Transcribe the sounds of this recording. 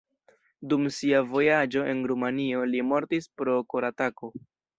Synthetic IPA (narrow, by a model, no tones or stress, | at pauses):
dumsiavo̞jad͡ʒo̞ʔe̞nɾumanio̞limo̞ɾtispɾo̞koɾatako̞